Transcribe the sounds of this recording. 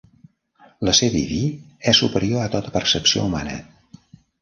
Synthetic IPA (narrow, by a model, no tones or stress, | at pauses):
ləsɛɾḭði | ɛsupəɾioat̪ot̪ə̥pərsəpsio̰umanə̰